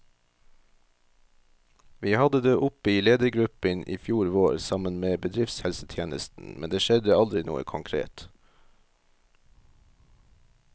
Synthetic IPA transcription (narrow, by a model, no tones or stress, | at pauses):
ʋiːhɑd̪əd̪eːʔʊpiːleːd̪əɡɾʉpənʔḭːfjuːɾʋoːɾsɑmənmeːbəd̪ɾɪft̪shɛlsət̪ʰjeːnəst̪n̩mɛ̰nd̪eːʃɛd̪əɑld̪ɾɪnṵːə̰kʰʊŋkʰɾḛːt̪